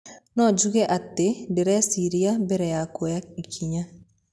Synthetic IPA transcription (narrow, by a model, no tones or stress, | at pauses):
nɔd͡ʒuɣɛʔatːedeɾɛasiɾiabɛɾɛjakɔjaikʰiɲa